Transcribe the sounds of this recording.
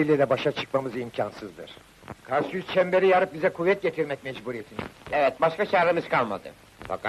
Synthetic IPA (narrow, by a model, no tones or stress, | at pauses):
ilʲid̪ɛbaʃat͡ʃʰɯ̥kmamɯzimcʰansɯzd̪ɯ̰ɾ̥ | kʰaɾsjyzt͡ʃʰɛmbe̞ɾijaɾɯp̚bizɛkʰuvːɛt̪̚ɟet̪ʰiɾmɛc̚mɛd͡ʒbuɾiet̪ʰinɛvɛt̪̚baʃkat͡ʃaːɾɯmizkʰalˠma̰d̪ɯ̰ | fa̰k